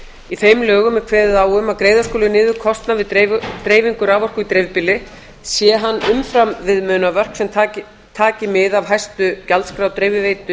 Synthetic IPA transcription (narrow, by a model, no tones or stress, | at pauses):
iθejmlœːɣʏmːɛkʰvɛːðʏðaːwʏmaðkɾeːjðḁrskɔːlʏnɪːðʏkʰɔst̪navɪðt̪ɾeːjviŋkʏɾaːvɔr̥kʏit̪ɾejvpɪlɪ | sjɛɦanːʏmfɾamvɪðmœːnavœr̥ksɛmʰ | t̪ʰaːcɪmɪðavɦajst̪ʏcalt̪skɾawt̪ɾeːjvɪveːjt̪ʏ